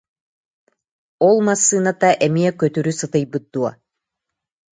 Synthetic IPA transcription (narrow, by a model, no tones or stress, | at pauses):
ɔlˠmasːɯːnat̪aʔɛmiɛkœt̪yɾysɯt̪ɯjbɯt̪̚d̪uɔ